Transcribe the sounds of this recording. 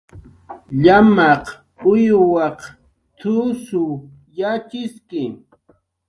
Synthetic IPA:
ʎamɑq | ʊjwɑq | t̪ʰʊsʊ | jat͡ʃɪskɪ

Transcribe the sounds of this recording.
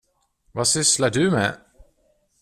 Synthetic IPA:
vasʏslaɖɵmɛ̰

